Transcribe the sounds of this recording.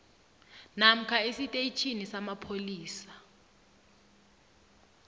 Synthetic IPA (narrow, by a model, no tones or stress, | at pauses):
nam̩kʰaesitʼeit͡ʃʰinisamapʰoliːsḁ